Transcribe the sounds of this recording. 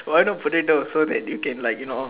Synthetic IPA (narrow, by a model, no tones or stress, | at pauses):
wajnõnputɪtosod̪ɛ̰t̚jukɛ̃nlaɪkjuno